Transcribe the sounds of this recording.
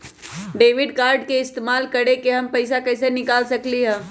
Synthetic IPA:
ɖeːʋɪɖkaːɾɖkeɪst̪eːmaːlkɐɽekeɦɐmpɐɪsakɐɪsenɪkaːlsɐkliɦɛ̃ː

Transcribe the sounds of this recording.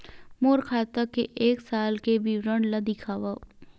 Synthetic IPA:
moːɾkʰaːt̪akeʔeːksaːlkebiwɾəɳlad̪ɪkʰaːʋa

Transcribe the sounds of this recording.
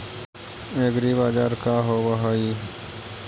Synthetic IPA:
eːɡɾibaːd͡ʒaːɾkaːɦoːbaɦaːi

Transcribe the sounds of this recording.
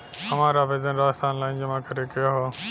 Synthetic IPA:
həmãːɾaːʋeːzənɾaːst̪ʰaːnlaːind͡ʒəmãːkʰəɾeːkəjoːɦoː

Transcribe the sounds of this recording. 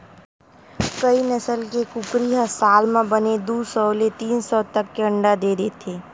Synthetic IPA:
kəinəsəlkekʊkɾiɦəsaːlmẽbəned̪uːsɔːlet̪iːnsɔːt̪ɐkːeə̃ɳɖad̪eːɾet̪ʰeː

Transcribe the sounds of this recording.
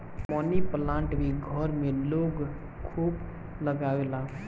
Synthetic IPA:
mɔːniplãːɳʈbʱiɡʱəɾmẽloːɡ | kʰuːb | ləɡaːelaː

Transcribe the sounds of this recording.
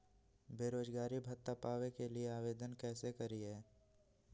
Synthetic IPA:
beːɾoːd͡ʒɡaːɾibʱɐt̪ːapaːʋekelieaːʋeːd̪ənkɛːsekɐɾiɦɛː

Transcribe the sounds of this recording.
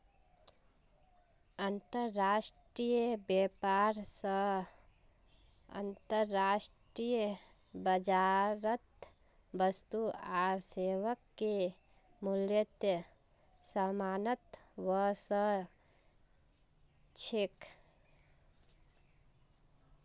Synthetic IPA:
ənt̪əɾːaːʃʈɾijbeːpaːɾsə | ə̰nt̪əɾːaːsʈɾij | bəd͡ʒaːɾət̪ | bəst̪uaːɾseːʋəkːe | mʊljət̪jə | səmaːnət̪ʋəsə | t͡ʃʰɪk

